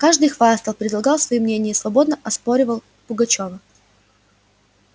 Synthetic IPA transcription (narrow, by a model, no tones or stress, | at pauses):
kaʐd̪ɨjxvast̪əlˠpʲɾʲɪd̪lˠɐɡɑlˠsvɐjimnʲenʲɪjəsvɐbo̞d̪nəʔɐspo̞ɾʲɪvəlˠ | pʊɡɐt͡ɕo̞və